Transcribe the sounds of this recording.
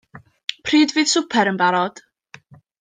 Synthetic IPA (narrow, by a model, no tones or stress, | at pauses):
pʰriːdvɨːðsʊpʰɛɾənbaɾɔd̥